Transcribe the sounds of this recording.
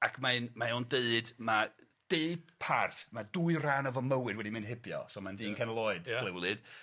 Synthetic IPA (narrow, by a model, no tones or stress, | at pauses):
akʰmaɨnmaondeɨdma | d̥eɨpʰarθmad̥uɨraːnəvɔməwɨdwɛdimɨ̃nhɪbjɔ̰sɔmandiːnkʰɛnlˠɔɨd̥lˠɛwlˠɨd̥